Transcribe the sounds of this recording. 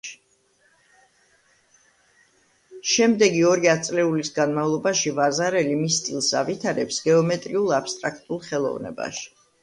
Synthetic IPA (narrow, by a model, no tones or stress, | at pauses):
ʃɛmd̪ɛɡiɔɾiat̪sʼlɛulisɡanmavlˠɔbaʃivazaɾɛlimist̪sʼilˠsa̰vit̪ʰaɾɛpsɡɛɔmɛt̪ʼɾiulˠapst̪ʼɾakʰt̪ʼulˠχɛlˠɔ̰vnɛ̰ba̰ʃi̥